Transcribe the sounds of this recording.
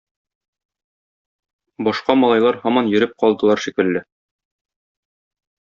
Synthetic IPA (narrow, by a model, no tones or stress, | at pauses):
bɒʃqɑmɒlˠɑjlˠɑɾhɒmɑnjɵ̆ɾɘp̚qɒlˠd̪ɤ̆lˠɑɾʃikɘ̆lːɘ